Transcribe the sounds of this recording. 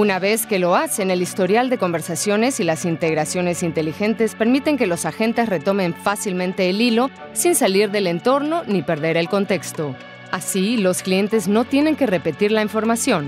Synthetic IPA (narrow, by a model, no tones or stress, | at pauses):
unaβe̞ske̞lo̞ase̞ne̞list̪o̞ɾjald̪e̞ko̞mbe̞ɾsasjo̞ne̞silasint̪e̞ɣ̞ɾasjo̞ne̞sint̪e̞lixe̞nt̪e̞spe̞ɾmit̪e̞ŋke̞lo̞saxe̞nt̪e̞sre̞t̪o̞mẽ̞ɱfasilmẽnt̪e̞ːlilo̞ | sinsaliɾðe̞le̞nt̪o̞ɾno̞nipe̞ɾðe̞ɾe̞lko̞nt̪e̞kst̪o̞ | asilo̞sklije̞nt̪e̞zno̞t̪je̞ne̞ŋkere̞pe̞t̪iɾlaiɱfo̞ɾmasjo̞n